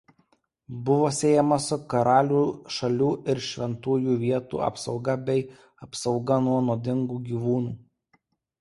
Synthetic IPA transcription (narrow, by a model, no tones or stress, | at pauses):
bʊʋoːsʲeːjɛmɐsʊkɐɾɑːlʲuːʃɐlʲuːɪɾʃʲʋʲɛnt̪uːjuːʋʲiɛt̪ṵːɐ̰psɒʊɡɐbʲɛɪ | ɐpsɒʊɡɐnuɔnoːd̪ʲɪŋɡuːɡʲiːʋuːnuː